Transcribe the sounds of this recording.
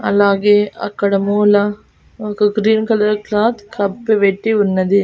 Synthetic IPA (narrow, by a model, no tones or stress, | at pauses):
ɐ̰laːɡeːɐ̰kːɐɽɐmuːlɐ | oːkɐɡɾiːnkɐlɐɾklaːt̪kʰɐpːeʋeʈːiunːɐd̪i